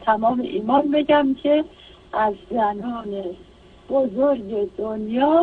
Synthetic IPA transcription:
t̪ʰæmɒːmḛʔiːmɒːnbe̞ɟæmcʰe | ʔæzzænɒːne̞ | b̥ozoɾɟe̞d̪̥onjɒː

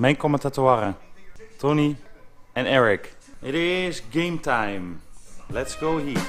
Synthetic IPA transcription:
mɛjnkɔməntatuaːɾətʰoniɛ̃nɛɹɪkɪɾɪzɡẽɪ̃mtʰãjmlɛtsɡ̥oʊɦi

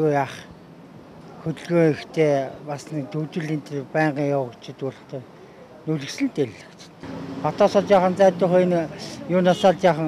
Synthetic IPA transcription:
ojaːχ | xɵt̪̆ɮɣoːixt̪ʰeːpasnikt̪ʰɵwt̪ɘ̆ɮiːnt̪ʰerpæːɴɢiːŋjawə̆kt͡ɕʰɪ̆t̪uɾə̆χt̪eː | nɵɮɘ̆ksɘ̆nt̪eɮːḁ̆kt͡ɕt̪χɔt̪ɔːsɔːt̪jaːχə̆nt͡sæːt̪ʊːχenjʊːnasaːɮt̪jaːχə̆ŋ

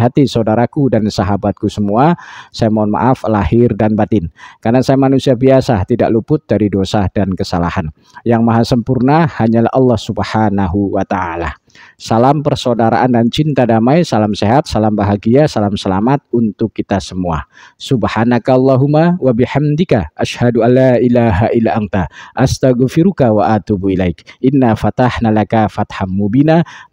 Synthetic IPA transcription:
ɦat̪isaudaɾakudansaɦabat̪̚kusəmuasajamanma̰ʔaflahɪrdanbat̪ɪnkarnasajamanusiabiasat̪ida̰ʔlupʊt̪̚daɾidosadankəsala̰han | jaŋmaɦasəmpurnahaɲala̰hʔɑlːɑhsubhanaɦuwat̪aa̰la̰ | salampərsodaɾa̰ʔandant͡ʃint̪adamajsalamseɦat̪̚salambaɦaɡiasalamsəlamat̪̚unt̪ʊkːit̪asəmua̰subhanakalːɑɦumawabiħamd̪ikaʔaʃhaduʔalːaʔilaɦaʔilaʔant̪aʔast̪aɣfiɾukawaʔat̪ubilajkʔɪnːafat̪aħnalakafat̪hamːubina

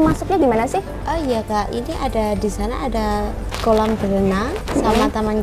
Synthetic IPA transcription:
masʊk̚ɲaɡimanasɪh | ʔəjakaʔḭniʔadadisana̰ːda | kolambəɾənasamat̪amaɲ

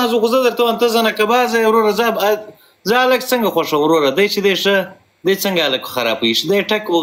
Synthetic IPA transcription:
zuxuzəd̪əɾt̪awant̪azanakabɑzajwɾoɾaza | zaaləɡ̚t͡səŋɡaxwaʂɐwɾoɾad̪ajt͡ʃed̪eʂə | d̪ajt͡səŋɡaːləkxaɾa̰piʂd̪ajʈako

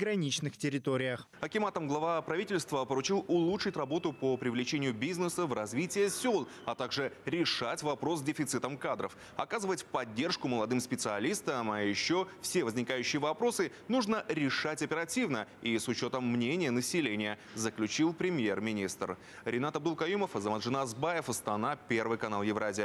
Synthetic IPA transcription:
ɡɾɐnʲit͡ɕnɨxtʲɪɾʲɪt̪oɾʲɪjəx | ɐkʲɪmat̪əmɡlˠɐvapɾɐvʲitʲɪlʲst̪vəpəɾʊt͡ɕilˠʊlˠutʂɨtʲrɐbo̞t̪ʊpəpɾʲɪvlʲɪt͡ɕenʲɪjʊbʲiznəsəvrɐzʲvʲitʲɪjəsʲolˠ | ɐt̪aɡʐɨɾʲɪʂatʲvɐpɾo̞sdʲɪfʲɪt̪sɨt̪əmkad̪ɾə̰f | ɐ̰kazɨvətʲpɐdʲːe̞rʂkʊməlˠɐd̪ɨmspʲɪt̪sɨɐlʲist̪əmɐjɪɕːo̞fsʲe̞vəzʲnʲɪkajʉɕːɪjəvɐpɾo̞sɨnuʐnəɾʲɪʂatʲɐpʲɪɾɐtʲivnəisʊt͡ɕo̞t̪əmːnʲenʲɪjənəsʲɪlʲenʲɪjə | zəklʲʉt͡ɕilˠpɾʲɪmʲje̞rmʲɪnʲist̪r | ɾʲɪnat̪ɐb̚d̪ulˠkɐjuməfɨzɐmanʐɨnazbajɪfəst̪ɐnapʲe̞rvɨjkɐnalˠjɪvɾazʲɪjə

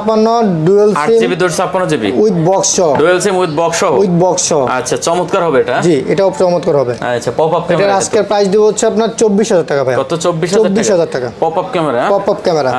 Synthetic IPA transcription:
panoɖuelsiibid̪ot̪apːanɔd͡ʑibḭujt̪bɔksʃɔɦoɖuelsimujt̪bɔksɔɦujt̪̚bɔksʃɔɦoatːɕʰat͡ɕɔmot̪kaɾɦɔbeeʈad͡ʑiḛʈaopt͡ɕɔmot̪kaɾɦɔbeapɔpapkɛeʈaɾaseɾpɾajsd̪iboɦotːʰeapnaɾt͡ɕobːiʃɦad͡ʑaɾʈakabʱajɡɔt̪ot͡ɕobːiʃɦaobːiʃɦaaɾʈakapɔpapkɛmeɾapɔpapkɛmeɾa

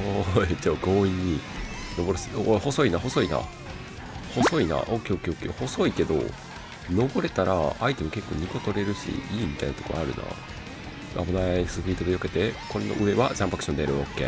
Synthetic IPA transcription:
ot͡ɕoːɡo̞ːiɲ̟ːino̞bo̞ɾɯsɨoho̞so̞inaho̞so̞ina̰ | ho̞so̞ina̰ʔokːeokːeokːeoho̞so̞ike̞d̪o̞̰ | no̞bo̞ɾe̞t̪aɾaait̪e̞moke̞kːo̞ːɲ̟iko̞t̪o̞ɾe̞ɾɯ̟ɕḭiːmʲit̪ainat̪o̥ko̞aaɾɯ̟̰nʔa̰ | ʔa̰bonasɨpiɾit̪o̞d̪ejoke̞t̪e̞ko̞ɾenoʔɯ̟e̞βad͡ʑãmpakɯ̥ɕond̪eɾɯ̟okːḛ

